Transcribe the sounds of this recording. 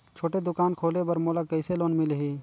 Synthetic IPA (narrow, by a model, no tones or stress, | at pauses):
t͡ʃʰoːʈed̪ʊkaːnkʰoːlebəɾmoːləkːəɪseloːnmɪlɦiː